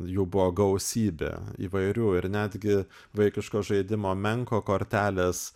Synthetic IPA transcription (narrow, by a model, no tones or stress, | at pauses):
juːbʊʋoːɡɐʊsʲiːbʲḛḭːʋɐɪɾʲuːɪɾnʲæːd̪ʲɡʲɪ | ʋɐɪkʲɪʃkoːʒɐɪd̪ʲɪmoːmʲɛŋkoːkoːɾʲt̪ʲæːlʲeːs